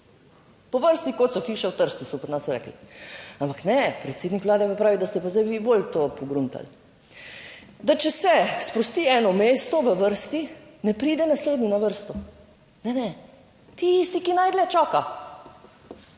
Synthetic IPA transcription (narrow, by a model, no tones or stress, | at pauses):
pɔʋəɾst̪ikot̪sɔxiːʃɛwt̪əɾst̪usɔpɔd̪nasɔɾɛ̰ːklḭampaknɛpɾɛt̪seːd̪nikʋlaːd̪ɛpapɾaːʋid̪ast̪ɛpazajʋibolt̪opɔɡɾunt̪a̰l | d̪at͡ʃɛsɛspɾɔst̪iːɛːnɔmeːst̪ɔʋəʋəɾst̪inɛpɾiːd̪ɛnasleːd̪niɔnaʋəɾst̪ɔ | nɛnɛ | t̪ist̪ikinajd̪lɛt͡ʃaːka